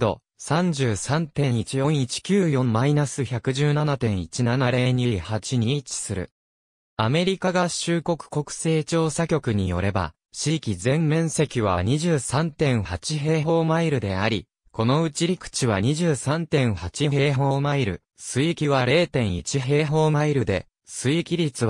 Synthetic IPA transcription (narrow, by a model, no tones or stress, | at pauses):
d̪o̞̰ | sãɲ̟d͡ʑɨːsãnt̪ẽ̞ɰ̃it͡ɕijõ̞ɰ̃it͡ɕi̥kʲɨːjõ̞mmːainasɨçakɯ̟ʑɨːnanat̪ẽ̞ɰ̃it͡ɕinanaɾe̞ːɲ̟ihat͡ɕiɲ̟it͡ɕi̥sɨɾɯ̟̰ | ame̞ɾʲikaɡaɕɨːko̞kɯ̟̥ko̞kɯ̟̥se̞ːt͡ɕo̞ːsakʲo̞kɯ̟ɲ̟ijo̞̰ɾe̞ba̰ | ɕiːkʲizẽ̞mmẽ̞ɰ̃se̞kʲiβ̞aɲ̟iʑɨːsãnt̪ẽ̞ɰ̃hat͡ɕiɦe̞ːɦo̞ːmaiɾɯ̟d̪e̞aɾʲi | ko̞no̞ɯ̟t͡ɕiɾʲikɯ̟̥t͡ɕiβaɲ̟iʑɨːsãnt̪ẽ̞ɰ̃hat͡ɕiɦe̞ːɦo̞ːmaiɾɯ̟ | sɨikʲiβaɾe̞ːt̪ẽ̞ɰ̃it͡ɕiɦe̞ːɦo̞ːmaiɾɯ̟d̪e̞̰ | sɨikʲiɾʲit͡sɨ